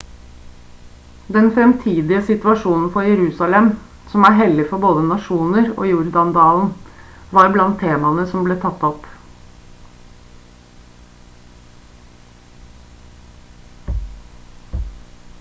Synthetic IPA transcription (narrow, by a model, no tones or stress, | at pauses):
d̪ɛnfɾɛmt̪ʰiːd̪ɪəsɪt̪ʋɑʂuːnn̩fɔjɛɾʉːsɑlɛm | sɔmæɾɦɛlːɪfɔboːd̪ənɑʂuːnəɾo̰ːjuɾd̪ɑnd̪ɑːln̩ | ʋɑːɾblɑnt̪ʰːeːmɑnəsɔmbleːt̪ʰɑt̪ːɔp